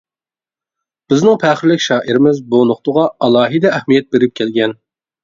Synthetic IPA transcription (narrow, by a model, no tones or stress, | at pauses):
b̥ɪznɪŋpʰæχɪɾlɪkʲʃɑːʔiɾɪmɪzbunʊχt̪ʊʁɑɑlˠɑːɦid̪ɛːhmijɛt̪̚beɾɪp̚kʲʰɛlɡʲɛn